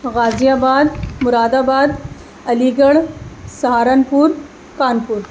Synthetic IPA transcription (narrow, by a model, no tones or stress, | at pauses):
ɣad͡zijabad̪muɾad̪aːbad̪ | əliɡəɭsəɦaɾanpuːɾ | kanpuːɾ